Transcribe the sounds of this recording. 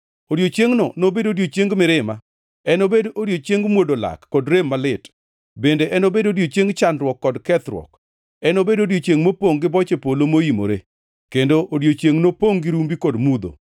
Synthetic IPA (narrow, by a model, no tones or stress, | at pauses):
odjot͡ʃeŋnɔnobedodjot͡ʃjeŋɡmɪɾɪma | ɛnobedodjot͡ʃjeŋɡmwodola̰kːɔdɾemːalɪt | bendeʔɛnobedodjot͡ʃeŋɡt͡ʃanɾwɔkːɔdkɛt̪ɾwɔ̰k | ɛnobedodjot͡ʃeŋmopoŋɡɪbɔt͡ʃepolomoimo̰ɾe | kendoʔodjot͡ʃjeŋnopoŋɡɪɾumbikɔdmud̪o̰